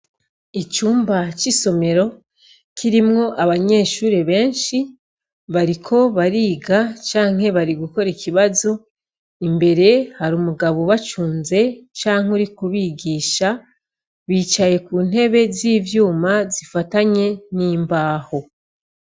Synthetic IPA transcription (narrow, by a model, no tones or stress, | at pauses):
it͡ʃuːmbat͡ʃiso̞me̞ɾo̞ | kʰiɾimŋo̞ʔaβaɲe̞ːʃuːɾeβe̞ːnʃi | βaɾikʰo̞βaɾiːɡat͡ʃaːŋ̥he̞βaɾiɡuko̞ɾikʰiβazo̞ | imbe̞ɾe̞haɾuːmuɡaβoβat͡ʃuːnze̞t͡ʃaːŋ̥uɾikuβiɡiːʃa | βiːt͡ʃaje̞kuːn̥he̞βe̞ziːvjuːmazifataɲe̞niːmbaːho̞